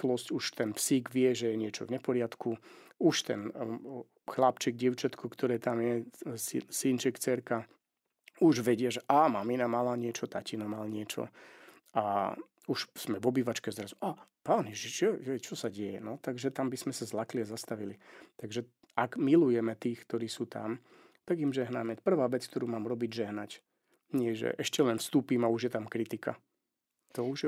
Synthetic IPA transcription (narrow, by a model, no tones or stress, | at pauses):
klɔscuʃt̪ɛnpsiːɡʋɪɛʒɛjɛɲɪɛt͡ʃɔ̰vɲɛpɔɾɪat̪kʰuuʃt̪ɛ̰n | xlapt͡ʃiɡ̚ɟɪɛʊt͡ʃat̪kʰukt̪ɔɾɛːt̪amjɛsisint͡ʃɛkt͡sɛɾka | uʒʋɛɟɪaʒɛʔamaminamalaɲɪɛt͡ʃɔt̪acinɔmalɲɪɛt͡ʃɔ̰ | a | uʃsmɛʋɔbiːʋat͡ʃkɛzd̪ɾazuʔaːpaːnjɛʒiʒɛʒɛt͡ʃɔsaɟɛjɛ̰nɔt̪aɡʒɛt̪ambismɛsazlakliazast̪aʋilit̪aɡʒɛ | aɡmilujɛmɛt̪iːxkt̪ɔɾiːsuːt̪a̰m | t̪aɡimʒɛɦnamɛpr̩ʋaːʋɛt͡skt̪ɔɾuːmaːmɾɔbiɟʒɛɦnac | ɲɪɛʒɛ̰ʔɛʃcɛlɛnfst̪uːpiːmauʒjɛt̪amkɾit̪ika̰ | t̪ɔuʒɛ